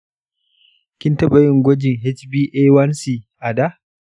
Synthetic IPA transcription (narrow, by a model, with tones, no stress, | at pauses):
kʲɪ˦ntɐ˦ɓɐ˨jɪ˦ŋɡʷɔ˦d͡ʒɪ˨ŋɦɛ˦t͡ʃbiː˦ʔeː˦wɐ˦nsiː˨ | ʔa˨da˦